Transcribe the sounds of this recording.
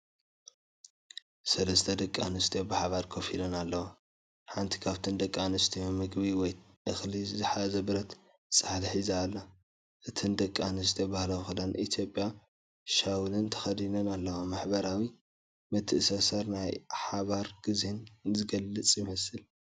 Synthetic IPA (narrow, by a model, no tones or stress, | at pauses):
sɐlɐst̪ʰɐd̪ɐkʼːa̰nɨst̪ʰijobɨħaβaɾkʰofilɐnalːɐwo | ħant̪ʰi̥kʰaβt̪ʰɨnd̪ɐkʼːanɨst̪ʰijomɨɡbiwɔj | ʔɨxlizɨħazɐbɨɾɐt̪ | t͡sʼɨ̥ħat̪ħizaːlːa | ʔɨt̪ʰɨnd̪ɐkʼːanɨst̪ʰijobahlawxɨd̪anʔit̪ʰjo̞pʼja | ʃawlɨnt̪ʰɐ̥xɐd̪inɐnalːɐwomaħbɐɾawi | mɐt̪ʰːɨʔɨsɐsɐɾnajħaβaɾɡ̥ɨzhenzɨɡɐlːɨt͡sʼjɪmɐsɨl